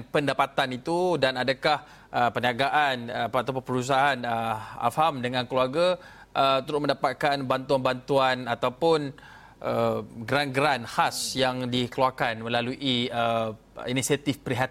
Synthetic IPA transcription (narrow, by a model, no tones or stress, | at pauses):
pəndapat̪anit̪udanadakah | ʔəpəniaɡaʔanat̪awpʊnpəɾus̬aaanəa̰famdəŋãnkəluaɡa | ʔət̪əɾʊmə̃ndapat̪̚kanbant̪uanbant̪uanat̪awpʊn | ʔəɡəɾanɡɾanhasjaŋdikəluakanmə̃laluʔiə | inisiat̪ifpəɾiɦat̪̚